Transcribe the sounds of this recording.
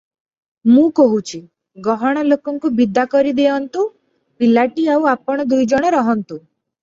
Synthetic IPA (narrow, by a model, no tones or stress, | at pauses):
mũkɔɦut͡ʃʰi | ɡɔɦɔɽ̃ɔlokɔŋkubid̪ʱakɔɾid̪eɔnt̪u | pilaʈiawapɔɽ̃ɔd̪ujd͡ʒɔɽ̃ɔɾɔɦɔnt̪u